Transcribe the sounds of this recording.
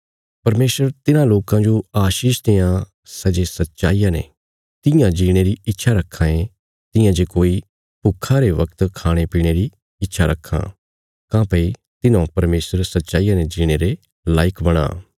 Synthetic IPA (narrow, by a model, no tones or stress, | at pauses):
pɐɾmeːsəɾt̪ɪnãloːkãd͡ʒoaːʃiːʃt̪ejã | sɐd͡ʒesɐt̪ːʃa̰ːiːjãnḛ | t̪ɪ̃jãd͡ʒiːɽ̃eɾiɪtːʃʰaɾɐkʰːãːẽ | t̪ɪjãd͡ʒeːkoːi | pʊkʰːaɾeʋɐkt̪kʰaːɽ̃epiːɽ̃eːɾi | ɪtːʃʰaɾɐkʰːã̰ː | kãːpəi | t̪ɪnãpɐɾmeːsəɾsɐt̪ːʃaːijãned͡ʒiːɽ̃eːɾe | laːɪkbɐɽ̃a̰ː